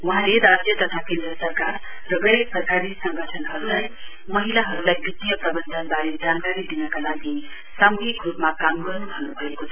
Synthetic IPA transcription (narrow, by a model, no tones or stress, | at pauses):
wʌɦãleɾad͡ʒjət̪ʌt̪ʰakẽnd̪ɾəsʌɾkaɾ | ɾʌɡʌjpɾʌkaɾisʌ̃ŋɡʱəʈʰənɦʌɾulaj | mʌɦilaɦʌɾulajbit̪ːijʌpɾʌbənd̪ʱənbaɾed͡ʒankaɾid̪inʌkalaɡi | samɡikɾupmakamɡʌɾnubʱʌnubʱʌekot͡sʰ